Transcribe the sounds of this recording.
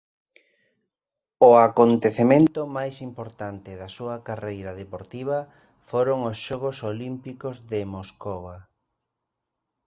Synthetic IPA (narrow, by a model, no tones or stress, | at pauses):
oakont̪eθemẽnt̪ʊmajsimpoɾt̪ant̪ɪðɐsuɐkarejɾɐðepoɾt̪iβ̞ɐ | foɾoŋosʃɔɣ̞osolimpikozðɪmoskoβa